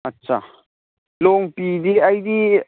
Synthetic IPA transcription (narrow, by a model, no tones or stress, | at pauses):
ɐtːʃʰa̰ | loːŋpiːd̪iaid̪i